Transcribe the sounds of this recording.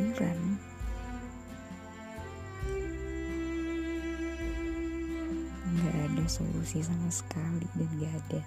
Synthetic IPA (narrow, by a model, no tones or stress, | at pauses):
nkan | ŋɡaʔadaso̰lṵsis̬amasə̥kalidanɡaːda